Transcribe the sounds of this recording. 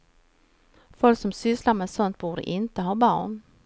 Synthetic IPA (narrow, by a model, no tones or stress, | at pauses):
fɔlksɔmsʏslamɛsɔnt̪̚buːɖə̰ʔɪnt̪əɦɑːbɑ̰ːɳ